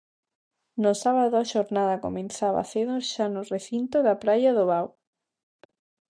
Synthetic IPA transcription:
nʊsaβaðʊaʃoɾnaðɐko̰mẽnθaβa̰θeðoʃanʊreθint̪ʊðɐpɾajɐðoβaw

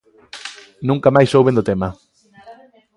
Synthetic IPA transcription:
nũŋkamajsowβend̪ot̪emɐ

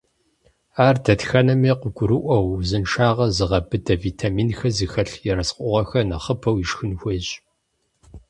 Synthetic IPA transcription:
aːrdɐtxɐnɐmiːqəɡʷʊɾɨʔʷɐwzɨnʃaːʁɐzɨʁɐbɨdɐviːtʰaːmiːnxɐzɨxɐɬjɛɾɐsqʷʼʊʁɐxɐnɐχəpʰɐwjiʃxɨnxʷeːɕ

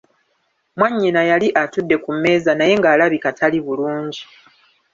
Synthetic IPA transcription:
mwaɲːinajaliʔatudːe̞kumːe̞ːzanaje̞ŋɡaːlaβikatʰaliβuluːɲɟi

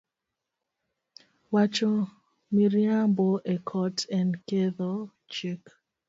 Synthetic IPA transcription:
wat͡ʃɔ | miɾiãmboʔɛkʰɔtɛ̃nkeðɔ | t͡ʃek

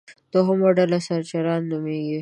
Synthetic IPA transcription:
t̪oɦʊmoɖalasaɾt͡ʃaɾɑnːumeɡi

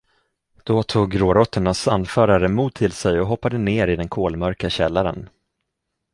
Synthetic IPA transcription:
d̪̥ɔt̪ʰuːɡɾoːɾɔt̪ʰːəɳasanːfœːɾaɾəmuːd̪̚t̪ʰːɪlsɛjɔɦɔpːad̪əneːɾɪd̪ɛnkʰoːlmœɾkaɕɛlːaɾə̰n

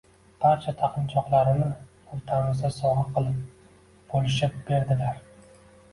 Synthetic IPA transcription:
b̥aɾt͡ʃʰat̪ʰɑqʰɨnt͡ʃʰɒqlˠaɾɪnɪ | ʊɾt̪ʰamɪzd̪asɒʁɑqʰɨlˠɪp̚ | b̥olɪʃɪp̚b̥e̞ɾd̪ɪlaɾ

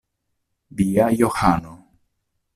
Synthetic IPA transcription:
ðiajoxano

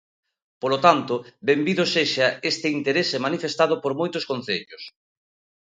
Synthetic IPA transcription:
polot̪ant̪ʊbembiðoseʃɐest̪ɪint̪eɾesemanifest̪að̞ʊpoɾmojt̪ʊskon̟θeʎʊs

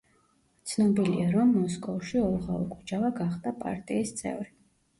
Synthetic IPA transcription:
t̪sʰnɔbilḭaɾɔmːɔskʼɔfʃiɔlˠʁaṵkʼud͡ʒavaɡaχd̪apʼa̰ɾt̪ʼiːst̪sʼɛ̰vɾi

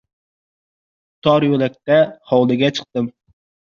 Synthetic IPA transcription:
t̪ʰɒɾjolɛk̚ʲt̪ɛhɑwlˠɨɡʲɛt͡ʃʰɨ̥q̚t̪ɨm

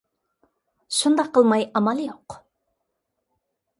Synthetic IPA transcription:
ʃund̪ɑqʰːəlˠmɑjɑmɑlˠjoq

